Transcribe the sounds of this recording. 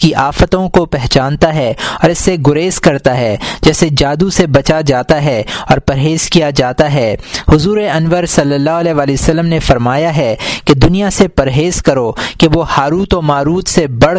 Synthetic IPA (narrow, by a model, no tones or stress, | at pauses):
kiʔaːfət̪õkopɛɦt͡ʃãːnt̪aɦɛɔːɾɪsːeɡʊɾeːzkɐɾt̪aɦɛd͡ʒɛːsed͡ʒaːd̪usebɐt͡ʃad͡ʒaːt̪aɦɛɔːɾpɐɾɦeːz̥kijad͡ʒaːt̪aɦɛːhʊzuːɾeɐnʋəɾsɐlːəlːaːɦʊɐlɛːʋaːliosəlːəmnefɐɾmaːjaɦɛked̪ʊnijasepɐɾɦeːzkɐɾokeʋohaːɾuːt̪ɔmaːɾuːt̪sebɐɽ